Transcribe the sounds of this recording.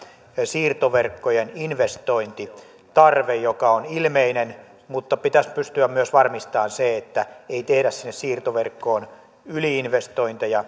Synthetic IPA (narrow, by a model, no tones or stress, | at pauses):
siːrt̪oʋerkːojeninʋest̪oint̪i | t̪ɑrʋejjokɑonilmeinen | mut̪ːɑpit̪æspyst̪yæmmyøsʋɑrmist̪ɑːnseet̪ːæeit̪ehɾæssinːessiːrt̪oʋerkːoːn | yliinʋest̪oint̪ɑjɑ